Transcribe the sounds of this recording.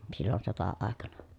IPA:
silːon sotɑɑˑekɑnɑ

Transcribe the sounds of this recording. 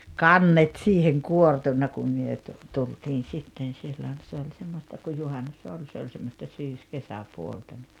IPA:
kɑnːet siːheŋ kuortunːɑ kum myø tu tultiːn̞ sitːen̞ silːon̞ se olʲ semːostɑ kuj juhɑnːus olʲ se olʲ semːostɑ syːskesæpuoltɑ nʲi

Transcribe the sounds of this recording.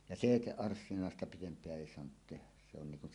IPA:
jɑ seˑiteʔːɑrsːinɑˑestɑ pitempˑeæ eˑi soɑnut tehæs̆ se on niŋ kun

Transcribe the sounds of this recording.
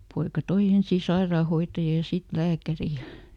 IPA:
poikɑ toi ensiː sɑirɑːhoitːɑjɑ jɑ sit læːkæri jɑ

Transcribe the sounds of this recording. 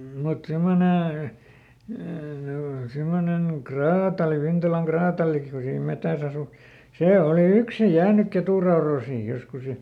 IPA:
mut simːone simonen krɑːtɑli ʋintɑlɑŋ krɑːtɑliki ku siːm metæs ɑsu seˑ oli yksi jæːnyk keturɑoroːsiːj joskus jɑ

